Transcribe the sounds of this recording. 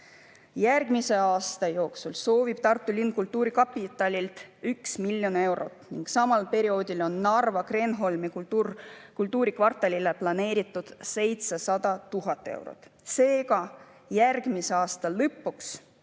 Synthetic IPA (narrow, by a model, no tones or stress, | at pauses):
jærɡ̥mise̞ɑːst̪ɑjo̞ːksulso̞ːvib̥̚t̪ɑrt̪ːˑulin̚kult̪ːuːɾikɑpːit̪ːˑɑlʲilt̪yksmiljo̞ne̞wɾo̞̰t̪ˑniŋɡ̥sɑmɑlpe̞ɾio̞ːd̪̥ʲilo̞nːɑrvɑkre̞nɦo̞lmiku | kult̪ːuːɾikvɑrt̪ːˑɑlʲileplɑne̞ːɾit̪ːˑud̪̥se̞jt̪sesɑd̪ɑt̪uɦɑt̪ːˑe̞̰wɾo̰t̪ːˑse̞ːɡɑ | jærɡ̥miseɑːst̪ɑlɤpːuks